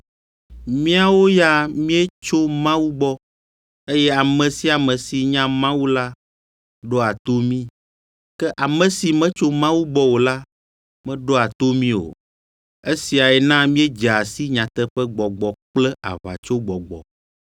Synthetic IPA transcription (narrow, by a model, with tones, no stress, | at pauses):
mĩ˦a˨wo˦ja˦mĩ˦ɛ˦t͡ʃo˦mã˦wu˦ɡ͡bɔ˦ | e˦jɛ˦a˨mɛ̃˨si˦a˨mɛ̃˨si˨ɲã˦mã˦wu˦la˦ | ɖo˦a˨t̪o˦mĩ˦ | kɛ˦ʔa˨mɛ̃˨si˨mɛ̃˦t͡ʃo˦mã˦wu˦ɡ͡bɔ˦wo˨la˦ | mɛ̃˦ɖo˦a˨t̪o˦mĩ˦o̰˨ | e˦si˨a˨ɛ˨nã˦mĩ˦e˦d͡ʒa˨si˦ɲã˨t̪ɛ˦ɸɛ˦ɡ͡bɔ˨ɡ͡bɔ˨k͡plɛ˦a̰˨va̰˨t͡ʃo˦ɡ͡bɔ˨ɡ͡bɔ̰˨